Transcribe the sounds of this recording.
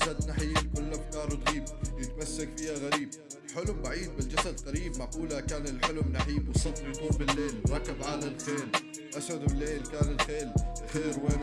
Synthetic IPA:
sad̪naħiːlkʊlːʔafkɑːɾˤwɪt̪ɣiːb̚t̪jɪt̪masːakfiːhaɣaɾiːb̚ | ħʊlʊmbaʕiːd̪̚bɪld͡ʒasad̪q̪ɑɾiːbmaquːlakaːnɪlħʊlʊmnaħiːbwɪsˤːɑfɾˤjad̪uːnbɪlːeːlwɾˤɑkːɪbʕalalxeːl | ʔaswʊd̪bɪlːeːlkaːnɪlxeːlxeːɾweː

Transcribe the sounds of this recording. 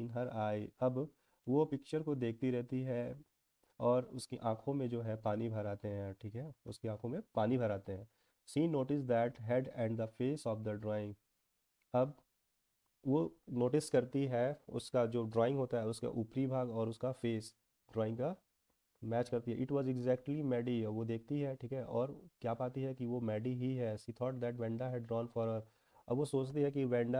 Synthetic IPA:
nɦɐɾaːiɐb | ʋopɪkt͡ʃəɾkod̪eːk̚ʰt̪iɾɛɦt̪iɦɛ | ɔːɾʊskiʔãːkʰõmẽd͡ʒoːɦɛ̃paːnibʱɐɾaːt̪eɦɛ̃ʈʰiːkɦɛʊskeãːkʰõmẽpaːnibʱɐɾaːt̪eɦɛ̃ː | siːnːoːʈɪs̬d̪ɛːʈɦɛɖɛ̃ɳɖd̪əfeːsɔːfd̪əɖɾɔːɪ̃ŋɡ | ɐb | ʋonoːʈɪskɐɾt̪iɦɛʊ̰skad͡ʒoːɖɾɔːɪ̃ŋɡɦoːt̪aɦɛʊska̰ʔuːpɾibʱaːɡɔːɾʊskafeːs | ɖɾɔːɪ̃ŋɡka | mɛːt͡ʃkɐɾt̪iɦɛ̰ʔɪʈʋɔːzɪɡzɛːk̚ʈlimɛːɖiʋod̪eːk̚ʰt̪iɦɛʈʰiːkɦɛʔɔːɾkjaːpaːt̪iɦɛkiʋomɛːɖiɦiɦɛʃiːt̪ʰɔːʈ̚d̪ɛʈʋɛ̃ːɳɖaɦɛɖːɾɔ̃ːnfɔɾə | ɐ̰bʋosoːt͡ʃt̪iɦɛkiʋɛ̃ːɳɖa

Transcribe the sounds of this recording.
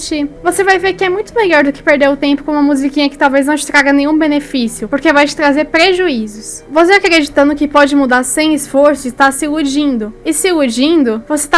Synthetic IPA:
t͡ʃivosevajveɾkɪɛmũj̃t̪ʊmeʎɔɾd̪ʊkɪ̥peɾd̪ewʊt̪ẽmpʊ̥kõũmɐmuzikĩɲɐkɪ̥t̪awvejznɐ̃w̃t͡ʃɪ̥t̪ɾaɡɐnẽj̃ũbenefisjʊpoɾkevajt͡ʃɪ̥t̪ɾazeɾpɾeʒuizʊsvoseakɾed͡ʒit̪ɐ̃nd̪ʊkɪpɔd͡ʒɪmud̪aɾsẽj̃ɪsfoɾsʊɪst̪aɾsɪud͡ʒĩnd̪ʊɪsɪud͡ʒĩnd̪ʊvose̥t̪a

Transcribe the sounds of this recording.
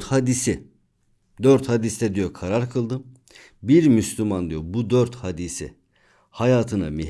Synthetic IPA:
t̪had̪isi | d̪øɾt̪had̪isd̪ɛd̪ijokʰaɾaɾkʰɯlˠd̪ɯm | biɾmyslʲymand̪ijobud̪øɾt̪had̪isḭ | hajaːt̪ʰɯna̰mi

